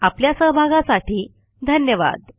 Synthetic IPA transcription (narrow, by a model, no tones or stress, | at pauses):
apljasəɦbʱaɡãsaʈiː | d̪ʱənjəʋa̰d̪